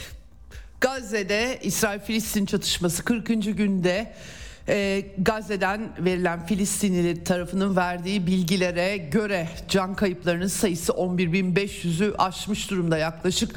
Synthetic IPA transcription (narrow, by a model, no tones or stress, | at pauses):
ɡ̥azːed̪ɛisɾaːilʲfilʲist̪ʰint͡ʃʰat̪ʰɯ̥ʃmasɯ̥kʰɯɾkɯnd͡ʒɯɟynd̪ɛ | ɡazːe̞d̪ænve̞ɾilʲænfilʲist̪ʰinilʲɛt̪ʰaɾafɯnɯnvæɾd̪iːbilʲɟilʲe̞ɾɛɟø̞ɾɛ | d͡ʒankʰajɯplˠaɾɯnɯnsajɯsɯʔo̞nbiɾbinbɛʃjyzyʔaʃmɯʃd̪uɾumd̪ajaklˠaʃɯk